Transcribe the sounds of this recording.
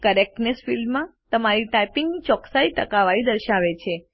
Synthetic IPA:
kəɾek̚nesfilmãt̪əmaɾiʈajpiŋɡnit͡ʃɔksait̪əkaʋaid̪əɾʃaʋet͡ʃʰe

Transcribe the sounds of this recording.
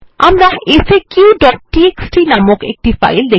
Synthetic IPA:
amɾaʔesekuɖɔʈ̚ʈieksʈinamokḛk̚ʈifa̰jld̪e

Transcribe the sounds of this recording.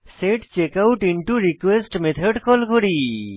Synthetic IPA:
seʈt͡ɕekawʈiɳʈuɾikwesʈmet̪ʰəɖkɔlkoɾi

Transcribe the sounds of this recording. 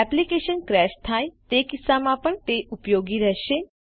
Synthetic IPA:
ɛplikeːʃənkɾɛːʃt̪ʰaːit̪ekɪsːamãpəɳt̪eʔʊpjoːɡiɾɛɦʃeː

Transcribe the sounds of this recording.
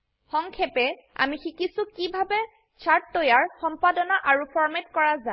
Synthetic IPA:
xɔŋkʰɛpɛ | a̰mixikisʊkibʱabɛ | t͡ʃʰaɹtːojaɹxɔmpadɔnaʔaɹupʰɔɹmetkɔɹaza

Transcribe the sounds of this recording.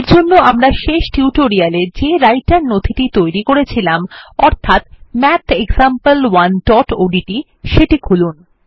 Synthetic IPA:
ɾd͡ʑonːoamɾaʃeʃʈiuʈoɾialed͡ʑeɾajʈaɾnod̪ʱʰiʈit̪ojɾikoɾet͡ɕʰilamɔɾt̪ʰat̪mɛt̪ʰeɡzampəlwanɖɔʈoɖiʈi | ʃeʈikʰulun

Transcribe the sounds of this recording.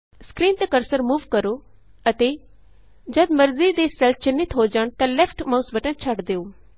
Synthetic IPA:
skɾiːnt̪ekəɾsəɾmuːʋkəɾoː | ət̪eː | d͡ʒəd̪mɐɾziːd̪eːsɛlfʰt͡ʃɪnɪt̪ɦoːd͡ʒaɳt̪ãːlɛːpʰʈmaʊsbəʈə̃nt͡ʃʰɐʈd̪eːoː

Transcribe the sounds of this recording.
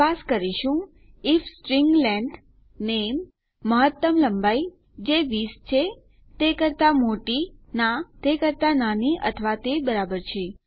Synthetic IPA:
askəɾiʃũ | ifsʈɾiŋɡlɛɳɖ | nemː | əɦət̪ːəmləmbai | d͡ʒeʋist͡ʃʰe | t̪ekəɾt̪amoʈinãt̪ekəɾt̪ananiʔə̰t̪ʰəʋat̪ebəɾabəɾt͡ʃʰe

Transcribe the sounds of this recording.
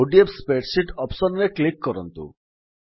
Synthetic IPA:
oɖiepspeʈsiʈɔpsɔnneklikːɔɾɔnt̪ṵ

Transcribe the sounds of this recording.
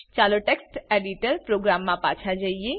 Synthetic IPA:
t͡ʃaloʈeksʈeɖiʈəɾpɾoɡɾamːãpã̰t͡ʃʰad͡ʒəie

